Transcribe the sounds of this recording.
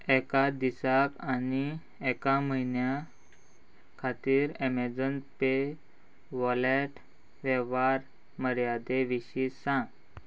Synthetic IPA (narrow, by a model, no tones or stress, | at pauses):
ɛkad̪isakani | ɛkaməinja | kʰat̪iːɾemed͡zənpe | ʋɔleʈ | ʋɛʋaɾ | məɾjad̪eʋiɕiːsãɡ